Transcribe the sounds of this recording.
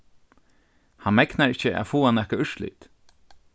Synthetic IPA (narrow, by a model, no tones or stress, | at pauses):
hanmɛknaɹɪht͡ʃːəʔa̰fuːanɛhkaʏʃlḭt̪